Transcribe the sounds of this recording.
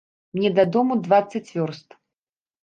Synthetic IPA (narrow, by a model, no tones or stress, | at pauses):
mnʲɛd̪ad̪ɔmud̪vat̪sːɐt͡sʲvʲɔrst̪